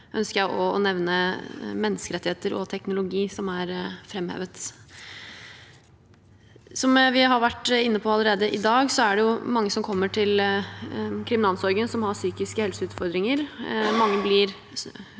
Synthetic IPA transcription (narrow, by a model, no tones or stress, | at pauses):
ʔœnskəjæɪʔɔɔ̰nɛʋnəmɛnːəskəɾɛt̪ːɪheːt̪əɾɔ̰t̪ʰɛknʊlʊɡiːsɔmæɾfɾɛmhḛːʋət̪ | sɔmʋɪɦɑɾʋæʈːɪnːəpʰɔɑləɾeːd̪əʔɪd̪ɑːɡsɔæɖɛjʊmɑŋːəsɔmkʰɔmːəʈʰɪl | kʰɾɪmɪnɑlsɔɾɡənsɔmhɑsyːkɪskəhɛlsəʉːt̪fɔɾd̪ɾɪŋəɾmɑŋːəblɪɾ